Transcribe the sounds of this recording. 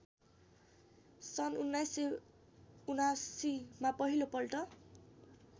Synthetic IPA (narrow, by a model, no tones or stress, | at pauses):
sʌnunːajse | unasimapʌɦilopʌlʈʌ